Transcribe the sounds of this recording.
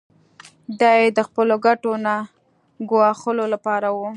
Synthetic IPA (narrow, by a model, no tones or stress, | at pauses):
d̪ɑjed̪əxpəloɡaʈona | ɡwɑxəlolapɑɾawu